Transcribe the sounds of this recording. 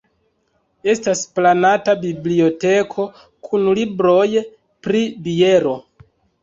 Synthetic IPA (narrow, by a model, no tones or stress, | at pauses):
e̞stasplanatabiblio̞te̞kʰo̞ | kʰunlibɾo̞j | pɾibie̞ɾo̞